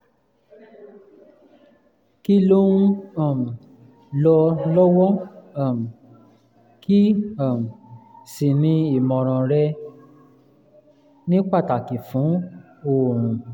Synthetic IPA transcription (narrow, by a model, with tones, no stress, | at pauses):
ki˦lo˦nũ˦ã˨m˨ | lɔ˧lɔ˦wɔ˦a˨m˨ | ki˦a˨m˨si˨nĩ˧i˨mɔ̃˨ɾ̃ɔ̃˨ɾɛ˧ | nĩ˦k͡pa˦˨ta˨ki˨fũ˨˦ | õ˦˨